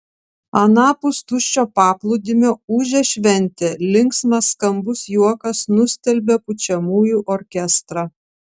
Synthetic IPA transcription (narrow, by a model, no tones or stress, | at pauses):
ɐnɑːpʊst̪ʊʃʲt͡ʃʲoːpɑːplˠʊd̪ʲɪmʲoːuːʒʲɛʃʲʋʲɛnʲˑt̪ʲeːlʲɪŋksmɐsːkɐmbʊsjuɔkɐsnʊsʲt̪ʲɛlʲbʲɛpʊt͡ʃʲɛmuːjuːʔɔɾʲkʲɛst̪ɾɑ